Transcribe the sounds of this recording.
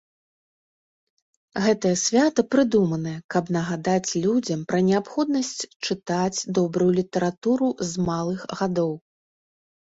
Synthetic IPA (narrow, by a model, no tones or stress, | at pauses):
ɣɛt̪ɐjɐsʲvʲat̪ɐpɾɨd̪umɐnɐjɐkɐbnɐɣad̪at͡sʲlʲud͡zʲɐmpɾɐnʲɛapxɔd̪nɐsʲt͡sʲt͡ʂɨt̪at͡sʲd̪ɔbɾujulʲit̪ɐɾat̪uɾuzmalˠɨxɣad̪ɔw